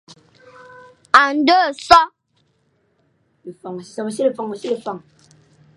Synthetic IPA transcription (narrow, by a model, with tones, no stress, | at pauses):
a˨n̩˦də˦˨sɔ˦ | li˨fɔ˨ŋ˨i˨sa˨ba˨si˦li˨fɔ˨ŋa˨si˦li˨fa˨ŋ